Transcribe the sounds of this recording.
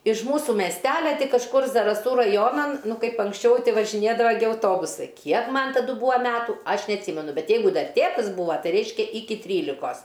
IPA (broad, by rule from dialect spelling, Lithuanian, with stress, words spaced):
ɪʃ ˈmuːsuː mʲɛsʲˈtʲæːlʲɛ tʲiː kɐʃˈkʊr zɐrɐˈsuː rɐˈjoːnɐn ˈnʊ ˈkɐɪp ɐŋksʲˈt͡ʃʲɛʊ ˈtʲɪ ʋɐʒʲɪˈnʲeːdɐʋɐ ɡʲɪ ɐʊˈtoːbʊsɐɪ ˈkʲiɛk ˈmɐn tɐˈdʊ ˈbuːɐ ˈmʲæːtuː ˈɐʃ nʲɛɐtʲˈsʲiːmʲɛnʊ ˈbʲɛt ˈjɛɪɡʊ ˈdɐr ˈtʲeːtɐs ˈbuːʋɐ ˈtɐɪ ˈrʲɛɪʃʲkʲɛ ˈɪkʲɪ ˈtʲrʲiːlʲɪkoːs